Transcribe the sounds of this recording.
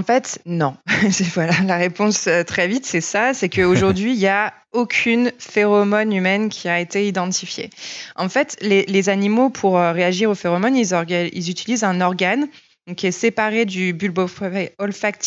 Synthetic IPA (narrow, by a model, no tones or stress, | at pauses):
ɑ̃fɛt̪nɔ̃sɛvwalalaʁepɔ̃søt̪χɛvit̪sɛsasɛkəoʒuʁd̪ɥiːlja | okʲʰynfeʁɔmɔnymɛnkʲʰiaet̪eid̪ɑ̃t̪ifjḛɑ̃fɛt̪lelezanimopʰuʁøʁeaʒiʁofeʁɔmɔnilzɔɡaḭlzyt̪ʰilizɛ̃nɔʁɡan | ɔ̃kʲiɛsepaʁed̪ybylbɔfɔlfakt̪